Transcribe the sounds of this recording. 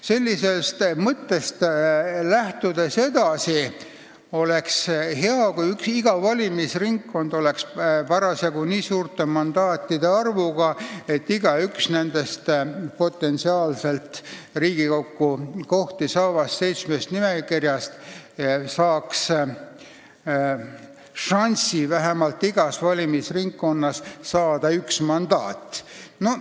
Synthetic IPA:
se̞lʲːise̞st̪mɤt̪ːe̞st̪læht̪ud̪ese̞d̪̥ɑsi | o̞le̞ksɦeɑkujyksiɡ̥ɑvɑlʲimisriŋkːo̞nd̪̥o̞le̞kspɑɾɑsjɑɡuniːsuːrt̪e̞mɑnd̪̥ɑːt̪ːˑid̪e̞ɑrvuɡ̥ɑe̞t̪ːiɡ̥ɑyksne̞nd̪̥e̞st̪po̞t̪ːˑe̞nsiɑːlse̞lt̪riːɡ̥iko̞kːuko̞ht̪isɑːvɑsːe̞jt̪smest̪nime̞kirjɑst̪ | sɑːks | ʃɑnʲsivæɦemɑlt̪ːˑiɡ̥ɑsvɑlʲimisriŋkːo̞nːɑssɑːd̪̥ɑyksmɑnd̪̥ɑːt̪ːˑ | no̞

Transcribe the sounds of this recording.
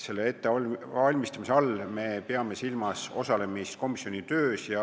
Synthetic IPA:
se̞lːee̞t̪ːeɑɑlʲmist̪ɑmiseɑlme̞peɑme̞silmɑso̞sɑle̞mist̪̚ko̞misːio̞nit̪øːsjɑ

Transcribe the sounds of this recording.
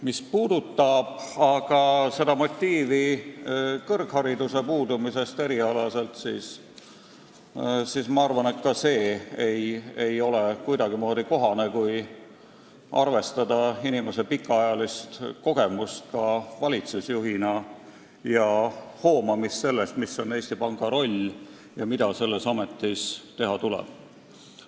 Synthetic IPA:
mispuːd̪̥ut̪ːɑb̥ɑɡ̥ɑse̞d̪ɑmo̞t̪ʲːiːvi | kɤrkhɑɾid̪use̞puːd̪umise̞st̪e̞ɾiɑlɑse̞lt̪sḭːs | sismɑɑrvɑne̞t̪kɑse̞ːeje̞jo̞le̞kujd̪ɑɡ̥imo̞ːd̪iko̞ɦɑne̞kuj | ɑ̰rve̞st̪ɑd̪̥ɑinime̞se̞pikːɑɑjɑlist̪ko̞ɡ̥emust̪̚kɑvɑlʲit̪susjuɦinɑ | jɑho̞ːmɑmisːe̞lːest̪miso̞ne̞ːsʲt̪ipɑŋɡ̥ɑɾo̞lʲː | jɑmid̪̥ɑse̞lːe̞sɑme̞t̪ˑːist̪e̞ɦɑt̪ulɛ̰b̥̚

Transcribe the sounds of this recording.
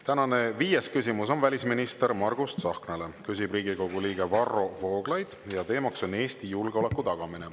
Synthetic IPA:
t̪ænɑne̞viːjeskysʲimuso̞nvælʲisminist̪e̞ɾmɑrɡ̥ust̪sɑhknele̞kys̬ibriːɡiko̞ɡ̥uliːɡ̥e̞vɑro̞vo̞ːɡ̥lɑjd̪̥jɑt̪e̞ːmɑkso̞ne̞ːst̪ijulɡeo̞le̞kːˑut̪ɑɡ̥ɑmine

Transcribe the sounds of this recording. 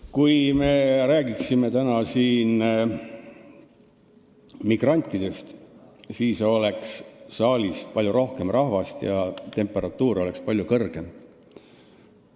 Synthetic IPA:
kujme̞ɾæːɡ̥iksime̞t̪ænɑsiːn | miɡ̥rɑnʲt̪ˑːid̪̥e̞st̪siːso̞le̞ksːɑːlʲist̪pɑlʲjuɾo̞hke̞mrʔɑhvɑst̪jɑt̪e̞mpːˑe̞ɾɑt̪ːˑuːɾo̞le̞kspɑlʲjukɤrɡ̥e̞m

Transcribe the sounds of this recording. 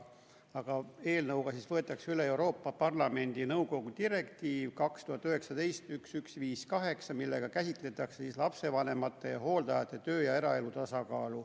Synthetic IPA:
ɑɡ̥ɑe̞ːlnɤwɡɑsisvɤe̞t̪ːˑɑksyle̞euɾo̞ːpːɑpɑrlɑme̞nʲd̪̥inɤwko̞ɡ̥ut̪iɾe̞kt̪iːvkɑkst̪uhɑt̪ːˑyɦe̞ksɑt̪e̞jst̪yksyksviːskɑɦe̞ksɑmilːe̞ɡ̥ɑkæsit̪ˑle̞t̪ːˑɑksesislɑpse̞vɑne̞mɑt̪ːˑe̞jɑɦo̞ːld̪ɑjɑt̪ːˑe̞t̪ø̞ːjɑe̞ɾɑe̞lut̪ɑsɑkɑːlu

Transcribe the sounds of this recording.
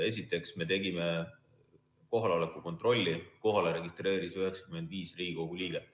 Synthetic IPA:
e̞s̬ʲit̪ːˑe̞ksme̞t̪e̞ɡime̞ | ko̞ɦɑleo̞lekːˑuko̞nt̪ˑro̞lʲːiko̞ɦɑleɾe̞ɡist̪re̞ːɾisyɦeksɑ̥kyme̞nd̪̥viːsriɡiko̞ɡulʲiːɡ̥e

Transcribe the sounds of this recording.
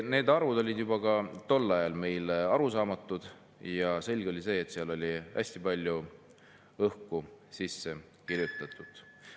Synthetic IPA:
ne̞ːd̪ɑrvud̪o̞lʲid̪jubɑkɑt̪o̞lːɑjɑlme̞jlɑɾusɑːmɑt̪ːˑud̪̥ | jɑse̞lʲɡ̥o̞lʲise̞ːt̪siɑlo̞lʲiæ̰sʲt̪ipɑlʲːju | ɤhkusisːe̞ | kiɾjut̪ːˑɑt̪ːˑud̪̥

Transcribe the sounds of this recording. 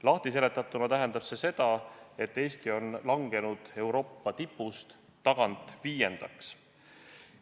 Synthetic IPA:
lɑht̪ise̞le̞t̪ːˑɑt̪ːˑunɑt̪æɦe̞nd̪̥ɑb̥se̞se̞d̪̥ɑe̞t̪ːe̞ːst̪io̞nlɑŋɡ̥e̞nud̪̥e̞wɾo̞ːpˑːɑt̪ipːˑust̪ː | ɑɡ̥ɑnt̪ˑviːje̞nd̪̥ɑks

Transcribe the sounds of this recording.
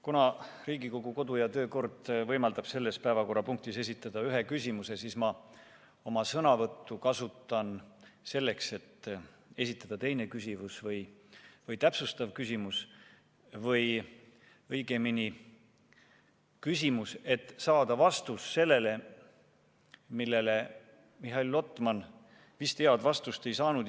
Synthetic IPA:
kunɑ | riːɡiko̞ɡ̥uko̞d̪ujɑt̪ø̞ːko̞rd̪̥vɤjmɑld̪ɑb̥se̞lːe̞spæevɑko̞rːɑpuŋkt̪ise̞sit̪ˑːɑd̪̥ɑyɦe̞kysʲimuse̞sismɑ | o̞mɑsɤnɑvɤt̪ːukɑsut̪ːˑɑnse̞lːe̞kse̞t̪ː | e̞sit̪ːˑɑd̪̥ɑt̪e̞jne̞kysʲivusvɤjvɤjt̪æpsust̪ɑvkysʲimus | vɤj | ɤjɡ̥emini | kysʲimuse̞t̪ːˑsɑːd̪̥ɑvɑst̪usːe̞lːe̞le̞ | milːe̞le | miɦɑilːo̞t̪ːˑmɑn | vist̪eɑd̪̥vɑst̪ust̪e̞jsɑːnud̪

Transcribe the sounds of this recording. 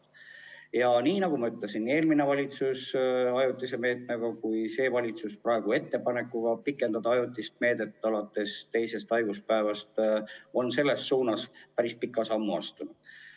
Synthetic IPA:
jɑniːnɑɡ̥umɑyt̪lesinːie̞ːlmine̞vɑlʲit̪susɑjut̪ːˑise̞me̞ːt̪ˑmeɡ̥ɑkujse̞ːvɑlʲit̪susprɑeɡ̥ue̞t̪ːe̞pɑne̞kːˑuɡ̥ɑpikːˑe̞nd̪ɑd̪ɑɑjut̪ːˑist̪̚me̞ːd̪e̞t̪ˑːɑlɑt̪ːˑe̞st̪e̞jse̞st̪ɑjɡ̥uspæevɑst̪o̞nse̞lːe̞sːuːnɑspæɾispikːˑɑsɑmːuɑ̰st̪unu̥

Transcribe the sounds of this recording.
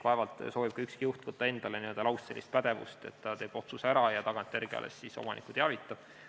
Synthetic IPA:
pɑevɑlt̪ˑso̞ːvib̥̚kɑykskijuht̪vɤt̪ːˑɑe̞nd̪̥ɑleniø̞ld̪ɑlɑwsse̞lːist̪̚pæd̪̥e̞vṵst̪e̞t̪ːɑt̪e̞ːb̥o̞t̪susæɾɑjɑt̪ɑɡ̥ɑnt̪ːˑe̞rɡ̥eɑ̰lḛsːisomɑnʔḭkːˑut̪eɑvit̪ːˑɑb̥

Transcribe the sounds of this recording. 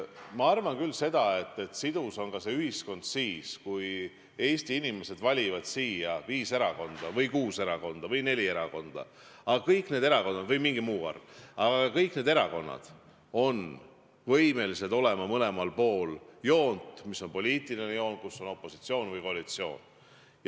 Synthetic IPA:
mɑɑrvɑnkylːse̞d̪̥ɑe̞t̪ːe̞t̪sid̪̥uso̞nkɑse̞yɦisko̞nd̪̥siːskuj | e̞ːst̪iinime̞se̞d̪vɑlʲivɑd̪̥siːjɑviːse̞ɾɑko̞nd̪̥ɑvɤjkuːse̞ɾɑko̞nd̪̥ɑvɤjne̞lʲie̞ɾɑko̞nd̪̥ɑ̰ | ɑɡɑkɤjkˑne̞d̪eɑko̞nːɑd̪vɤjmiŋɡimuːɑ̰rv̥ɑɡ̥ɑɑkɤjkne̞ːd̪e̞ɾɑko̞nːɑ̰d̪̥ | o̞n | vɤjme̞lised̪o̞le̞mɑmɤle̞mɑlpo̞ːljo̞ːnd̪misːo̞npo̞lʲiːt̪ˑilinejo̞ːn̥̚kusːo̞no̞pːˑo̞si̥t̪sio̞ːnvɤjko̞ɑlit̪sio̞̰ːn | j

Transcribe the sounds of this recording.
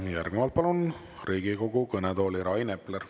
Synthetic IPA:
jærɡ̥nɛvɑlt̪̚pɑlun | riːɡ̥iko̞ɡukɤnɛd̪o̞ːliɾɑjne̞pːleɾ

